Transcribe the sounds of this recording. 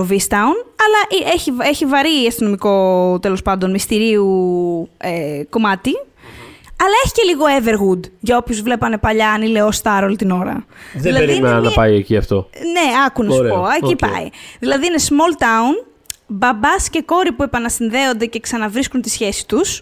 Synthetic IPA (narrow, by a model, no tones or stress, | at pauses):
ovist̪ɐunɐlɐʔieçieçivɐɾiɐst̪ino̞miko̞t̪e̞lo̞spɐnd̪o̞nmist̪iɾiu | eko̞mɐt̪i | ɐlɐe̞çi̥ce̞liɣo̞eve̞ɾɣud̪ʝɐo̞pçuzvle̞pɐne̞pɐʎɐɐnile̞ost̪ɐɾo̞lit̪ino̞ɾɐ̰ðilɐɾinɐpɐjeciɐft̪o̞neɐkunɐspoɐcipɐ̰ḭðilɐðiine̞smo̞lt̪ɐun | bɐbɐsce̞ko̞ɾipue̞pɐnɐsinðe̞o̞nd̪e̞ce̞ksɐnɐvɾiskunt̪isçe̞si̥t̪us